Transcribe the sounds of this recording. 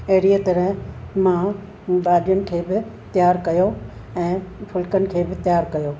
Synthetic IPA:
eːɾiət̪ɐɾəɦmã | baːɗjənɪ̆kʰeːbɪ | t̪jaːɾkɐjo | ɛ̃ːpʰʊlkənɪ̆kʰeːbɪt̪jaːɾkɐjoː

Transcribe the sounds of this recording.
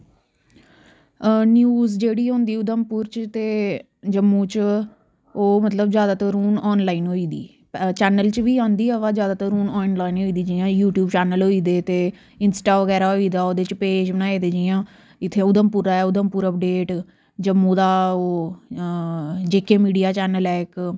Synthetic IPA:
njuːzd͡ʒeːɽiːɦõːnd̪iːʊd̪əmpuːɾt͡ʃt̪eː | d͡ʒəmːũːt͡ʃ | oːmət̪ləbzjaːd̪aːt̪əɾuːnɔːnlaːiːnɦoːiːd̪ḭː | t͡ʃɛːnəlt͡ʃʋiːãːnd̪iːəʋãːzjaːd̪aːt̪əɾuːnɔːnlaːinɦoiːd̪iːd͡ʒijãːjuːʈjuːbt͡ʃɛːnəlɦoːiːd̪eːt̪eː | ɪnsʈaːʋəɡɛːɾaːɦoːiːd̪aːoːd̪eːt͡ʃpeːd͡ʒbənaːeːd̪eːd͡ʒijãː | ɪt̪ʰːeːʊd̪əmpuːɾaːɛːʊd̪əmpuːɾəp̚ɖeːʈ | d͡ʒəmːũːd̪aːoː | d͡ʒeːkeːmiːɖijaːt͡ʃɛːnəlɛːk

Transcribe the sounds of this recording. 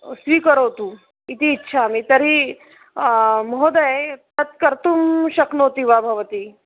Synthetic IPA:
sʋiːkɐɾot̪u | it̪iːtːʃʰaːmit̪ɐɾi | mod̪ɐt̪ɐt̪̚kɐɾt̪umʃɐknoːt̪iʋabʱɐʋɐt̪i

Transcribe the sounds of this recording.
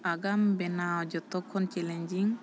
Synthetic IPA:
aɡambɛnaɔd͡ʒɔt̪ːɔkʰːɔnt͡ʃɛlɛnd͡ʒiŋ

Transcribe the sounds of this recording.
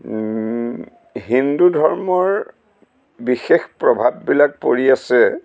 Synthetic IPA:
ɦindudʱɔɹmɔɹ | bixexpɹɔbʱabːilak̚po̰ɹiasɛ

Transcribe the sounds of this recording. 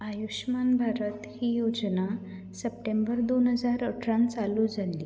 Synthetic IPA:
ajuɕmanbʱaɾət̪hiːjod͡zna | səpʈẽmbəɾd̪onɦəd͡zaɾəʈʰɾãnt͡salũd͡zali

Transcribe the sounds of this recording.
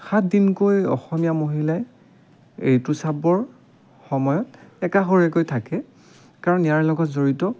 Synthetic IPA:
xat̚ʰdinkojɔ̰xɔmijamoɦilaj | ḛjtusabɔɹ | xɔmɔjɔtɛkaxoɹɛkojtʰakɛ | kaɹɔnijaɹlɔɡɔtzoɹitɔ

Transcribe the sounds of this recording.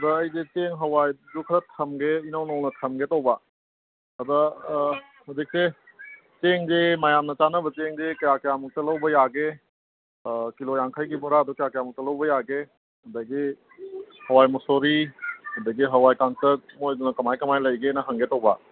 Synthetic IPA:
ɐd̪ɐːjzet͡ʃeŋɦɐwajzukʰɾɐtʰɐmɡeinawnɐwnɐtʰɐmɡetɐwba | ɐd̪ɐ | hodik̚se | t͡ʃeŋzemajamnɐt͡ʃanɐbɐt͡ʃeŋzekɐjakɐjamuk̚tɐlɐwbɐjaɡe | kilojaŋkʰajɡibɔɾad̪ɔkɐjakɐjamuŋ̚tɐlɐwbɐjaɡe | hɐd̪aɡi | hɐwajmɔsoɾihɐd̪aɡiɦɐwajkaŋsɐɾt̚mojdunɐkɐmajkɐmajlɐjɡenɐɦɐŋɡetɐwba̰

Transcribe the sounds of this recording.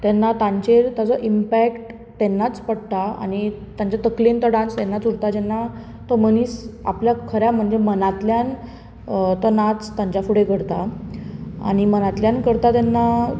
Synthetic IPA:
t̪ɛnːat̪ãɲt͡ɕeɾt̪at͡sɔʔimpækʈ | t̪ɛnːat͡spəɽt̪aa̰nit̪aɲt͡ɕat̪əklint̪əɽãnst̪ɛnːat͡suɽt̪ad͡ʑɛnːa | t̪ɔməniːsa̰pljakʰəɾjam̤əɳd͡zemənat̪ljan | t̪ɔnat͡st̪ãɲt͡ɕafuɽekəɽt̪a | a̰ɽ̃imənat̪ljankəɾt̪at̪ɛnːa

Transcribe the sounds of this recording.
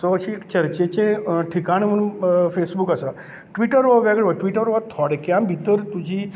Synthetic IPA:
soəʃikt͡ɕəɾt͡ɕet͡ɕẽʈʰikaɽ̃imənfʰesbukəsa | ʈʋiʈəɾʋəʋɛɡɽeʋəʈʋiʈəɾʋat̪ʰɔɽekjãmbʱit̪əɾt̪ud͡ʑʱi

